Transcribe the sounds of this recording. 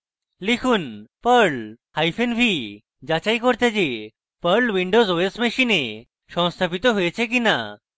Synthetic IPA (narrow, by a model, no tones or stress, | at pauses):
likʰuːnpəɾɭhajfenbʱi | d͡ʑat͡ɕaikɔɾt̪ad͡ʑe | pəɾɭʋiɳɖozoesmeɕine | ɕɔ̃w̃st̪ʰapit̪ɔɦujet͡ɕʰek̬ina̰